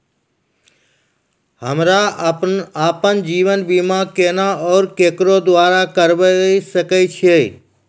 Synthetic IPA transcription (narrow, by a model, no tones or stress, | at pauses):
həmɾa | aːpənd͡ʒiːʋənbiːmãkeːnãɔːɾkeːkɾod̪ʋaːɾakəɾʋəisəkəit͡ʃʰieː